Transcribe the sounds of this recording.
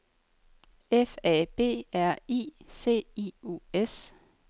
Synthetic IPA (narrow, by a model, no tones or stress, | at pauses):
efɛːb̥e̝̰ːæɐ̰ḭːse̝̰ːiːṵes